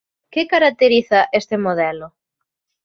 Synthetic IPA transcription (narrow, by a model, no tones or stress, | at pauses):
kɪkaɾak̚t̪eɾiθɐʔest̪emoðɛlʊ